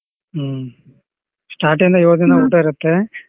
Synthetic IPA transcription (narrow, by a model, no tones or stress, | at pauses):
sʈaːɾʈind̪ɐjoːd͡ʒɐnɐuːʈːaiɾɐt̪ːe